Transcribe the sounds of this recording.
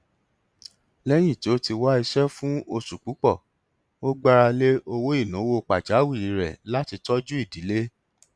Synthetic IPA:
lɛ˦j̃ĩ˦˨ti˨o˦ti˧wa˦i˧ʃɛ˦fũ˦o˧su˨k͡pu˨˦k͡pɔ˦˨ | o˦ɡ͡ba˦ɾa˧le˦o˧wo˦i˦˨nũ˨˦wo˦˧˨k͡pa˨d͡ʒa˨˦wi˦˨ɾi˨˦ɾɛ̰˨la˦ti˧tɔ˦d͡ʒu˦i˦˨di˨˦le˦

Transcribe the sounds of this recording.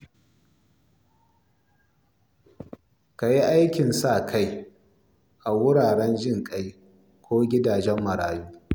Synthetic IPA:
ka˨ji˦ʔa˦jkʲɪ˨nsa˦˨kʰa˦j | ʔa˨wʊ˦ɽaː˨ɽɛ˦nd͡ʒɪ˦ŋkʼa˦j | kʷoː˦ɡʲɪ˦daː˨d͡ʒɛ˦mːɐ˨ɾaː˨juː˦

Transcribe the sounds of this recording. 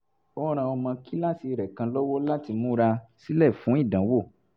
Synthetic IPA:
o˦ɾ̃ã˧ɔ˧mã˧ki˦la˦˨si˧ɾɛ˨kã˧lo˦wo˦la˦ti˧mũ˦ɾa˧si˦lɛ˦˨fũ˨˦i˦˨dã˨˦wo˦˨

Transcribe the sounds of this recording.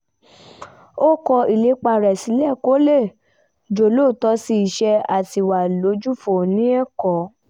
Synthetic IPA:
o˦kɔ˧i˨le˨˦k͡pa˧ɾɛ˨si˨˦lɛ˦˨ko˨˦le˦˨ | d͡ʒo˨lo˦˨tɔ˧˦si˧i˨ʃɛ˧a˨ti˧˨wa˨lo˨˦d͡ʒu˦fo˨nĩ˦ɛ˦kɔ˨˦

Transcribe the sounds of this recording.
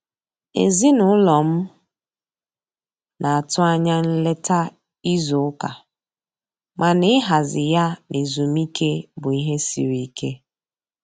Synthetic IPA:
ḛ˨zi˦nʊ˨ʊ˦lɔ˨m̩˦ | nʔa˨a˨tʊ˦a˦ɲa˦n̩˦le˦ta˦ | i˦zʊ˨ʊ˦ka˨ | ma˨nɪ˦ɪ˦ɦa˨zɪ˨ja˦nʔe˨zu˨m˦i˦ke˦bʊ˨i˦ɦe˦sḭ˨ɾi˦i˦kʰe˦

